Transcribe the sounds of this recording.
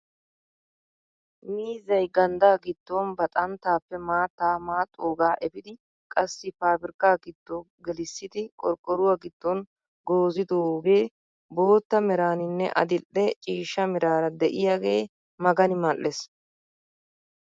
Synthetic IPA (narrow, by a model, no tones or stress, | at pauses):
miːzɐjɡɐnd̪aːɡɪd̪ːonbɐt̪ʼɐnt̪ːaːpːɛmaːt̪ːaːmaːt̪ʼoːɡaːʔɛbɪd̪ɪ | kʼɐsːɪpaːbɪɾkaːɡɪd̪ːɔ | ɡɛlɪsːɪt̪ɪkʼɔɾkʼːɔɾʊwaɡɪt̪ːɔn | ɡo̞ːzɪd̪ooːɡe̞ː | bo̞ːt̪ːɐmɪɾaːnɪnːɛ̰ʔɐ̰d̪ɪʔːɛt͡ʃʼiːʃːɐmɪɾaːɾɐd̪ɛʔɪjaːɡe̞ː | mɐɡɐnɪmɐlːes